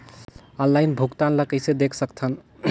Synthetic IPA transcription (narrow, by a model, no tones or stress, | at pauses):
ɔnlajnbʱukt̪anləkəjsed̪ekʰsəkt͡ʃʰən